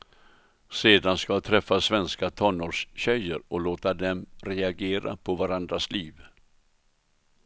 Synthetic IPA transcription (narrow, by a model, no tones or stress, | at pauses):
seːd̪anskat̪ʰɾɛfːasvɛnskat̪ʰɔnːoːʂɕɛjːəɾɔloːt̪ad̪ɛmɾɛaɡeːɾa̰pʰɔvaɾand̪ɾasliːv